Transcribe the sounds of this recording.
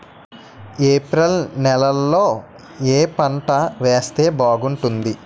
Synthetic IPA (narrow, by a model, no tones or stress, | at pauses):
eːpɾɐlnɛlɐlːo̞ː | eːpɐɳʈɐʋeːst̪e̞ːbaːɡuɳʈund̪i